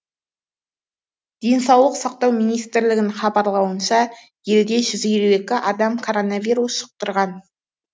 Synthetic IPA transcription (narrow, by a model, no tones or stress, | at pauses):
d̪̥e̞jnsɑwlˠəqsɑq̚t̪ɑwmijnijst̪ɪɾlɪɡʲɪnχɑbɑɾlˠɑwənʃɑ | je̞ld̪e̞ʒʏzilue̞kʲɪʔɑd̪ɑmkʰo̞ɾo̞naviɾusʃə̥q̚t̪əɾʁɑn